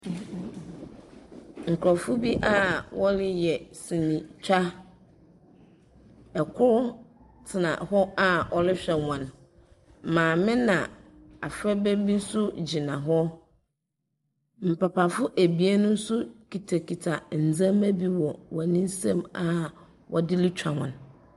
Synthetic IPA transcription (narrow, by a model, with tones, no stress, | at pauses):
ŋ̩˨kʰʊ˨ɾɔ˨fʊ˦bi˦ʔa˦wɔ˦lɪ˨jɛ˨sĩ˨nĩ˨t͡ɕᶣa˦ | ɛ˨kʰʊ˦ɾʊ˦ | tʰɪ˨nã̰˨hɔ˦a˦ɔ˦lɪ˦ɕᶣɛ˨wã˨n | mãː˨mɪ̃˦nã˨ | a˨fɾɛ˦bɛ˦bi˦n̩˦sʊ˦d͡ʑi˨nã˨ɦɔ˦ | m̩˨pʰa˨pʰa˨fʊ˦ʔæ˨bi˨˦a˦nʊ̃˦n̩˦sʊ˦kʰi˨tʰa˨kʰi˨tʰa˨n̩˨d͡zã˦mæ˦bi˦wɔ˨wɔ˨nĩ˦n˦sã˦ma˦ | wʔɔ˨dɪ˦lɪ˦t͡ɕᶣa˨hɔ̃˨n